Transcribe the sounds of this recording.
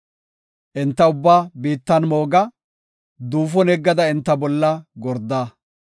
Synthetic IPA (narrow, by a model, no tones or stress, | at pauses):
ʔɪnt̪ːɐʊbːaːbiːt̪ːɐnmoːɡɐ | d̪uːfɔnɛɡːɐd̪ɐɪnt̪ːɐbɔlːɐɡɔɾd̪ːaː